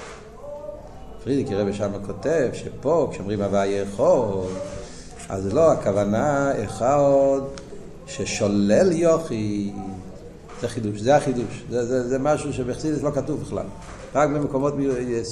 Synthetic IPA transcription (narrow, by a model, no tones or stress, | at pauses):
fʁid̪ikiʁɛbiʃamakʰotevʃepokʃeɔmʁimavajeχol | a̰zloakavanaeχad | ʃeʃolɛljoχi | z̥ɛχiduʃzɛaχiduʃzɛzɛzɛmaʃuʃ̬ebeχsidislokatuvbɪχla̰l | ʁak̚bemekomot